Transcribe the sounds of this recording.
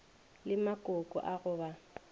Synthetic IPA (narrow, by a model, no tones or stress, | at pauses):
lɪmakʼʊkʼɔ̰ʔaɣʊːba